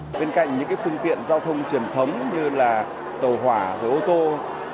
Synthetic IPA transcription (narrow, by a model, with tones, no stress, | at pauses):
ɓe˧nka̰˧˨jŋ̟ɲɨ̰˧˥ŋkaː˨˦jfɨ˧əŋt̪ḭ˧˨ənzaː˧wt̪ʰə˧wŋ͡mt͡ɕwi˨˩ənt̪ʰə˨˦wŋ͡mɲɨ˧laː˨˩ | t̪ə˨˩wɦwaː˧˩vəː˧˩ʔo˧t̪o˧